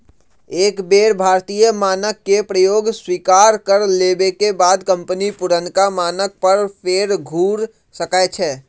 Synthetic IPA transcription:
eːkbeːɾbʱaːɾt̪iːjəmaːnəkːepɾəjoːɡswiːkaːɾkəɾleːbekebaːd̪kə̃mpənipʊɾənkamaːnək̚pəɾpʰeːɾɡʱuːɾ | səkaet͡ʃʰɛː

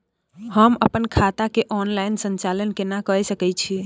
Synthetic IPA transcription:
həməpənkʰat̪akeʔɔnlainsənt͡ʃalənkenakəɛsəkɛt͡ʃʰi

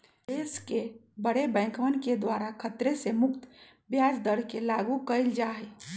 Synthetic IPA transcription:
eskebəɽebɛ̃ːŋkʋənked̪waːɾakʰət̪ɾesemʊk̚t̪ | bjad͡ʒd̪əɾkelaːɡukəild͡ʒaːɦe

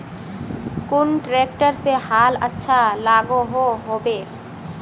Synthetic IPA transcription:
kunʈɾekʈəɾsehalətːʃʰalaɡoɦoɦobe

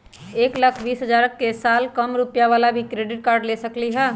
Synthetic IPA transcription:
eːkləkʰbiːsɦəd͡ʒaːɾəkːesaːlkəmɾʊpjaʋaːlabʱikɾeːɖɪʈ̚kaːɾɖlesəkliɦɛː

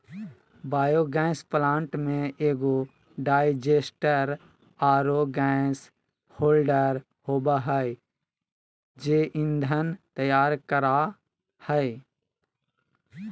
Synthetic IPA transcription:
baːjoɡɛ̃ːsplãːɳʈmẽeːɡo | ɖaːɪd͡ʒeːsʈəɾ | aːɾoɡɛ̃s | hoːlɖəɾ | hoːbaɦəɪ | d͡ʒeːʔɪ̃nd̪ʱənt̪əjaːɾkəɾa | həɪ

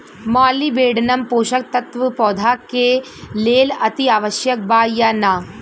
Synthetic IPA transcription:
maːlibeːɽɐnɐmpoːʃɐk̚t̪ɐt̪ʋɐpɔːd̪ʱaːkːe | leːlɐt̪iaːʋɐʃjɐk̚baːjːɐnaː

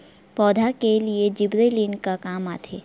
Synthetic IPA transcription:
pɔːd̪ʱakelied͡ʒɪbɾeːliːnkakaːma̰ːt̪ʰeː

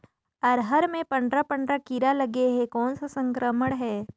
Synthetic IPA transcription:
əɾɦəɾmẽpə̃ɳɖɾapə̃ɳɖɾakiɾaləɡeɦekɔːnsasə̃ŋkɾəməɽ̃ɦɛː

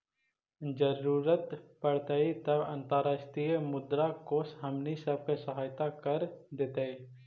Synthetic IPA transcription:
d͡ʒəɾuːɾət̪pəɽt̪ait̪ɐbã̰nt̪əɾaːʃʈɾijəmʊd̪ɾakoːsɦɐmnisɐb̚kesɐɦaːjt̪akəɾd̪eːt̪ai

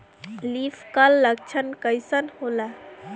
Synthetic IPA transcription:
lifʰkəlːək̚t͡ʃʰənkəjsənhola

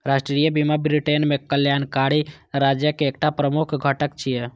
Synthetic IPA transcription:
ɾasʈɾijəbimabɾiʈenmẽkəljaːnkaɽi | ɾad͡ʒjəkeːkʈapɾəmukʰɡʱəʈəkt͡ʃʰije

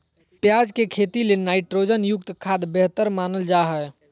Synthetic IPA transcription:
pjaːd͡ʒkekʰet̪ilenaːɪʈɾoːd͡ʒənjʊk̚t̪kʰad̪beɦt̪əɾmaːnəld͡ʒaɦəj

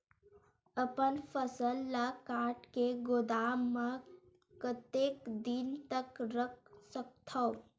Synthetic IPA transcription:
əpənpʰəsəlːakaʈkeɡod̪amːə | kət̪ekd̪int̪əkɾək̚ʰsək̚t̪ʰəʊ

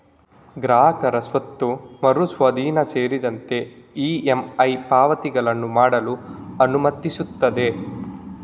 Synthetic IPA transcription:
ɡɾaːɦɐkɐɾɐsʋɐt̪ːumɐɾusʋɐd̪iːnɐseːɾid̪ɐnt̪e̞iːemɐjpaːʋɐt̪iɡɐɭɐnːumaːɽɐluɐnumɐt̪ːisut̪ːɐd̪e̞

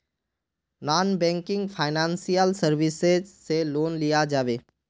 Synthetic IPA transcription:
naːnbɛ̃ːŋkɪ̃ŋɡpʰaːɪnãːnsijəlsəɾʋɪsezseloːnlijad͡ʒaːʋeː

